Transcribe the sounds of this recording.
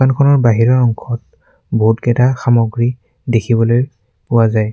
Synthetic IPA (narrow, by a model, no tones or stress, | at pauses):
ankʰɔnɔɹbaɦiɹɔɹɔŋkʰɔt̚ | boɦutkɛtaxamɔɡɹi | dekʰibɔloj | pʊwazaj